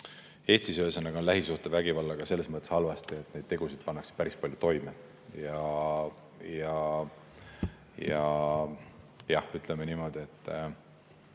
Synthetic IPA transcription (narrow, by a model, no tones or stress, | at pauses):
e̞ːsʲt̪isøːsɑneɡonlæɦisuht̪evæɡ̥ivɑlːɑɡ̥ɑse̞lːe̞smɤt̪ːˑeshɑlvɑst̪ie̞t̪ːˑne̞jd̪̚t̪e̞ɡ̥usid̪̥̚pɑnːɑkse̥pæɾispɑljut̪o̞jme | jɑ | jɑ | jɑ | jɑhyt̪ˑlemeniːmo̞d̪̥ie̞t̪ˑː